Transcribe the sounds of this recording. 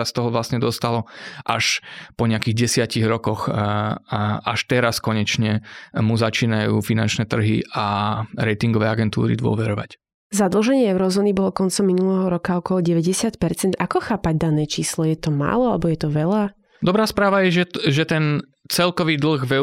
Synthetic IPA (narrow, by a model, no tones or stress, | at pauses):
ast̪ɔɦɔʋlasɲɛd̪ɔst̪alɔʔa̰ʃpɔɲɛakiːɣɟɛsɪaciɣɾɔkɔx | ʔaʃt̪ɛɾaskɔɲɛt͡ʃɲɛmuzat͡ʃiːnajuːfinant͡ʃnɛːt̪r̩ɦḭʔaɾɛjt̪iŋɡɔʋɛːaɡɛnt̪ṵːɾḭd̪ʋʊɔ̰ʋɛɾɔʋa̰c | zad̪l̩ˠʒɛɲɪɛɛʊɾɔzɔːnibɔlɔkɔnt͡sɔmːinulɛɦɔɾɔkaɔkɔlɔɟɛʋɛɟɛsɪat̪pɛɾt͡sɛnd̪akɔxaːpaɟd̪anɛːt͡ʃiːslɔjɛt̪ɔma̰ːlɔalɛbɔjɛt̪ɔʋɛʎa | d̪ɔbɾaːspɾaːʋajɛʒɛʒɛt̪ɛn | t͡sɛlkɔʋiːd̪l̩ɣʋɛ